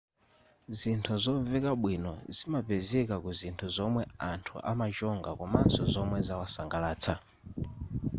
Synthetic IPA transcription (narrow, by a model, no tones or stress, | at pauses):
zintʰuzɔvɛkaɓwinɔ̰zimapɛzɛkakuzintʰuzɔmwɛantʰuʔa̰mat͡ʃɔŋɡakɔmansɔzɔmwɛzawasaŋɡalaːt͡sʰa